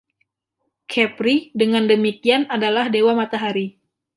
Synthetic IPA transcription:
kʰɛpɾidəŋandəmikianadalahdewamat̪aɦaɾi

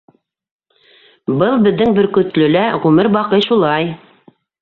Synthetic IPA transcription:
bɤlˠbɘ̆ðːɘŋbɵ̆ɾkɵ̆t̪lɵ̆læʁʉmɘɾbɑqɤjʃulˠɑj

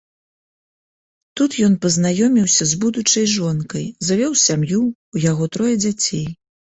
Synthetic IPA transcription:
t̪ut̪jɔnpɐznajɔmʲiwsʲɐzbud̪ut͡ʂɐjʐɔnkɐjzavʲɔwsʲamjuː | jaɣɔt̪ɾɔjɛd͡zʲat͡sʲej

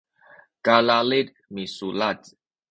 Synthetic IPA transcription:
kalalid | misulad

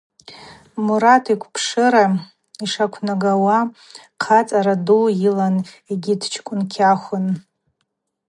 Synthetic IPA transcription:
muɾatʰikʷʰpʰʂɨɾa | iʂakʷʰnaɡawa | qʰat͡sʼaɾadujilan | eɡʲidt͡ʃʰkʷʼʊnkʲʰaχʷʊn

